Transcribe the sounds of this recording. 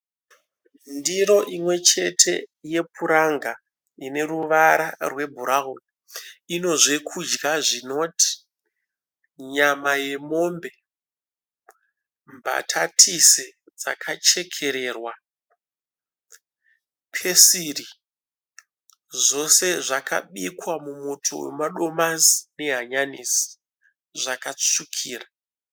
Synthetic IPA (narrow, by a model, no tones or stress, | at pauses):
ndiro̞ʔimwe̞t͡ʃe̞tʰe̞̰je̞puɾaŋɡa | ine̞ruʋaɾarwe̞bʱuɾaɦon | ino̞ʐe̞kʰud͡ʒɡaʐino̞tʰi̥ | ɲamaje̞mo̞mbe̞ | mba̰tʰatʰise | d͡za̰kʰat͡ʃe̞kʰe̞ɾe̞ːrwa | pʰe̞siri | ʐo̞se̞ʐakʰa̰ɓikwamumotʰo̞̰wḛmaɗo̞mazine̞ɦaɲanisi̥ | ʐakat͡ʂukʰiːra